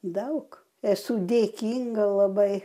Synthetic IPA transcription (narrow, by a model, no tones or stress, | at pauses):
d̪ɐʊk | ɛsud̪ʲeːkʲiːŋɡɐlˠɐbɐɪ